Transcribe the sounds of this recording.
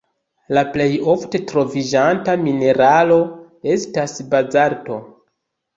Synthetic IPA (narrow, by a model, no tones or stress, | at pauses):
laple̞jo̞fte̞tɾo̞vid͡ʒantamine̞ɾalo̞ | e̞stasbad͡zaɾto̞